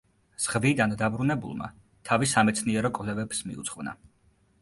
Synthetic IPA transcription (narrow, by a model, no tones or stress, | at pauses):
z̥ʁvid̪and̪abɾunɛbṵlˠma̰ | t̪ʰavisamɛt̪sʰniɛɾɔkʼvlɛvɛbsmḭut̪sχvna̰